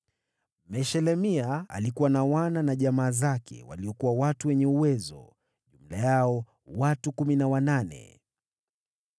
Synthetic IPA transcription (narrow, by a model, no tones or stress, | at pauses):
mɛʃɛlɛmiaa̰likuwanawananaʄamaːzakʰɛ̰wa̰liɔkuwawatuwɛɲɛuwɛzɔ̰ | ʄum̩lajaɔ | watukuminawananɛ̰